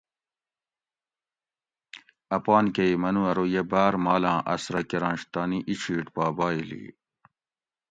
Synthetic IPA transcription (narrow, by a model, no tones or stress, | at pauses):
ɐpaːnkɐimɐnuɐɾojebaːɾmaːlãːʔɐsɾɐkeɾãːnɕt̪aːniʔiɕʰiːʈpaːbaːilḭː